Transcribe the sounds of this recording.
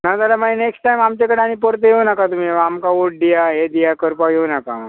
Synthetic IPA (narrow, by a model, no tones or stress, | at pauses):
nad͡zalamaineksʈʈajmamt͡ɕekəɽeaɽ̃ipəɾt̪eɦewnakat̪um̤iamkaʋoʈ̚d̪ijaɦed̪ijakəɾpaɡewnaka̰